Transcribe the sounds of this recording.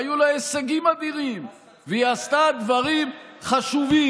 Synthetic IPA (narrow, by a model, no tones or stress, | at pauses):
julaeseɡimad̪iʁim | vejast̪ad̪vaʁimχaʃuvi